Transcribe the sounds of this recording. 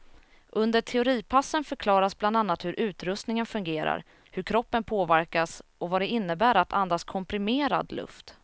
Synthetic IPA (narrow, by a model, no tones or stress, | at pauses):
ʔɵnd̪əʈʰɛʊɾiːpʰasːənfœɾkʰlɑːɾasbland̪anːat̪hɵɾʔʉ̟ːt̪ɾɵst̪nɪŋənfɵŋɡeːɾa̰ɾ | hɵɾkʰɾɔpːənpʰoːvæɾkasɔvad̪ɛɪnːəbæːɾat̪ʰand̪askʰɔmpɾɪmeːɾa̰d̪lɵ̰ft̪